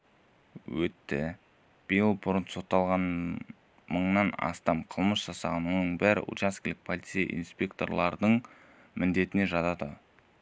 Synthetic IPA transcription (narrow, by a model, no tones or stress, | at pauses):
wɵt̪ːɪ̰ | b̥ijəlˠbʊɾənso̞t̪ːɑlˠʁɑn | məɴnɑnɑ̰st̪ɑmqʰəlˠməsʒ̥ɑsɑʁɑnwo̞nəɴbæɾɪ̰ʔṵt͡ʃaskʲilʲɪk̚pʰolʲit̪sija̰ʔḭnspʲe̞k̚t̪o̞̰rlˠɑɾd̪əɴ | mɪnd̪e̞t̪ɪne̞ʒɑt̪ɑd̪ə